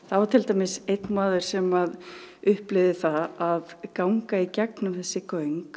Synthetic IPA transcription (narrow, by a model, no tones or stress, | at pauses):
θawvaɾt̪ʰɪlt̪amɪsejt̪nmaːðʏɾ̥sɛmaðʏhplɪvðɪθaaðkawŋkaicɛknʏmvɪðsɪkːaœɥŋk